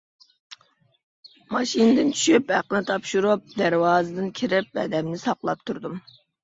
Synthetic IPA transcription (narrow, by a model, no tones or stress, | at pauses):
mɑʃinɨd̪ɪnt͡ʃʰy̥ʃyphæqːənɪt̪ʰɑpʃuɾup̚d̪æɾwɑːzɨd̪ɨnkʲʰiɾɪp̚ɛ̰d̪ɛmnɪsɑqlˠɑp̚t̪ʰuɾd̪um